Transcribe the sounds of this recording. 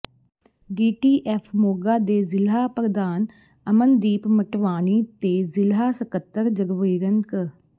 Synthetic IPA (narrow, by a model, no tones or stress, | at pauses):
ɖiːʈiːʔɛːpʰmoːɡaːd̪eːzɪlɦaːpəɾd̪aːn | əmənd̪iːpməʈʋaːniːt̪eːzɪlɦaːsəkət̪ːəɾd͡ʒəɡʋiːɾəŋk